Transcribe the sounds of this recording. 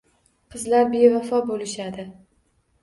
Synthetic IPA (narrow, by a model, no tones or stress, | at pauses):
qʰɨzlaɾbevafɒbolɪʃad̪ɪ